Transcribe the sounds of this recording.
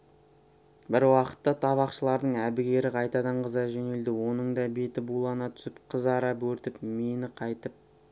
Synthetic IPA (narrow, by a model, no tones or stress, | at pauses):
bɪɾwɑqə̥t̪ːɑt̪ʰɑβɑqʃəlˠɑɾd̪əɴæbɪɡʲe̞ɾɪqʰɑjt̪ɑd̪ɑɴqəzɑʒɵne̞ld̪ɪwo̞nəɴd̪ɑbe̞t̪ɪbulˠɑnɑt̪ʰʏ̥sɪpqʰəzɑɾɑpwɵɾt̪ɪpmenɪqʰɑjt̪əp̚